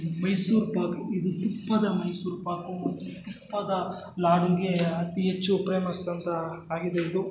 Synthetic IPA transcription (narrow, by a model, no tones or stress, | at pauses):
mɐjsuːɾpaːkuid̪ut̪upːɐd̪ɐmɐjsuːɾpaːkumɐt̪ːut̪upːɐd̪ɐ | laːɽiɡe̞ɐt̪iɦet͡ʃːupɾeːmɐst̪ɐnt̪ɐːɡid̪eid̪u